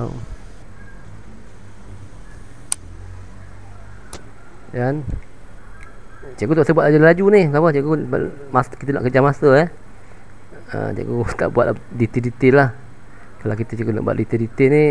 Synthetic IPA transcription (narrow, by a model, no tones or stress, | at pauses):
dan | t͡ʃaʔɡut̪ɔʔsəbuat̪̚lad͡ʒuləlad͡ʒunɪsapət͡ʃakua̰ | maskit̪əna̰ʔkəd͡ʒamasəɛ | ə̰t͡ʃa̰kut̪a̰ʔbwat̪ʔ̚ldit̪idit̪ɪlah | kalakit̪ət͡ʃaɡuna̰ʔbua̰ʔ̚dit̪idit̪ɪni